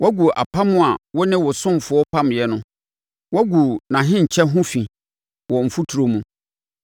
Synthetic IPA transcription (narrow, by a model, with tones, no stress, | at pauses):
wɔ˦ɡu˨ʔa̰˨pʰa˦mʊ̃˦a˨wɔ˦nɪ̃˦wɔ˨sʊ̃˦m˨fʊ˨˦ɔ˦pʰã˦m˨jɛ˦nʊ̃˦ | wɔ˦ɡu˨nã˨ɦɪ̃˦ɲ̩˨t͡ɕʰɛ˦ɦʊ̃˦fĩ˨ | wɔ˨m̩˨fu˦tʰu˨ɾo˨mũ˦